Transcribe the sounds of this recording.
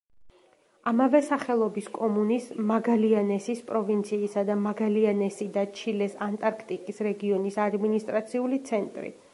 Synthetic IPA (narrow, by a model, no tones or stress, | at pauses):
amavɛsaχɛlˠɔbiskʼɔmunismaɡalianɛsispʼɾɔvint̪sʰiːsad̪amaɡalianɛsid̪at͡ʃʰilɛsant̪ʼaɾkʰt̪ʼikʼisɾɛɡiɔnisad̪minist̪ʼɾat̪sʰiulit̪sʰɛnt̪ʼɾḭ